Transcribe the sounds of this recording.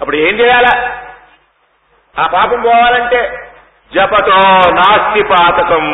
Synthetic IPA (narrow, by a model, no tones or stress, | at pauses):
ɐpːuɽeːnit͡ʃɛjaːla | aːpaːpɐmbɔːʋaːlɐɳʈeː | d͡ʒɐpɐt̪oːnaːstipaːt̪ɐkɐm